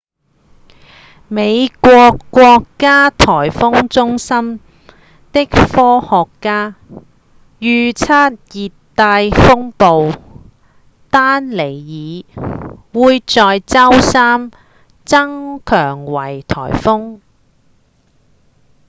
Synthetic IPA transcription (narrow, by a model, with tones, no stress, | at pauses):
me˨˧jkʷɔː˧kːʷɔː˧kːaː˥t̪ʰɔː˨˩jfʊ˥ŋt͡sʊ˥ŋsɐ˥m | t̪ɪ˥k̚fɔː˥hɔː˨kːaː˥ | jyː˨˧t͡sʰaː˥t̚jiː˨t̪ː | aː˧jfʊ˥ŋpo˨˧w | t̪aː˥nle˨˩jjiː˨˧ | wuː˨˧jt͡sɔː˨jt͡sɐ˥wsaː˥m | t͡sɐ˥ŋkʰœː˨˩ŋwɐ˨˩jt̪ʰɔ̰ː˨˩jfʊ˥ŋ